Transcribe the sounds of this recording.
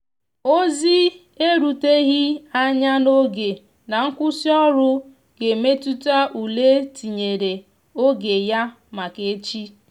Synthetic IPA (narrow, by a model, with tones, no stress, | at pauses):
o˦zi˦ | e˦ɾu˨te˦ɣi˦a˦ɲa˦no˦ɡe˨ | na˨ŋ̩˦kʷʊ˦si˦ɔ˦ɾʊ˦ | ɡ̥e˨me˦tu˦ta˦ʔu˨le˦ti˨ɲe˨ɾe˨ | o˦ɡe˨ja˦ | ma˨ke˨˦t͡ʃi˦